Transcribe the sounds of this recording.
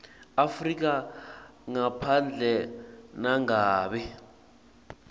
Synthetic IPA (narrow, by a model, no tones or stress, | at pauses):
afrik̬a | ŋapʰand͡ɮʱɛnaŋaːɓɛ